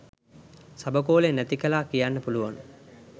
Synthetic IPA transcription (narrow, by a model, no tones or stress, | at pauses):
sabəkoːlenæt̪ikəlaːkijanːəpuluʋan